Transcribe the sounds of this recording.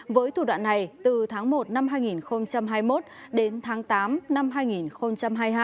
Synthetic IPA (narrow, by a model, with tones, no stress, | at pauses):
vəː˨˦jt̪ʰu˧˩ɗwa̰ː˧˨nːa˨˩jt̪ɨ˨˩t̪ʰaː˨˦ŋmo˨˩t̚na˧mɦaː˧jŋi˨˩nxə˧wŋ͡mt͡ɕa˧mɦaː˧jmo˦˥t̚ | ɗe˨˦nt̪ʰaː˨˦ŋt̪aː˨˦mna˧mɦaː˧jŋi˨˩nxə˧wŋ͡mt͡ɕa˧mɦaː˧jɦaː˧